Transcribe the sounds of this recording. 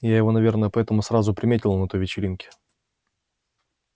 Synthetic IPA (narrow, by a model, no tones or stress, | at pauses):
jajɪvo̞nɐvʲe̞rnəjəpɐɛt̪əmʊsrazʊpɾʲɪmʲetʲɪlˠnɛt̪ojvʲɪt͡ɕɪɾʲinkʲɪ̥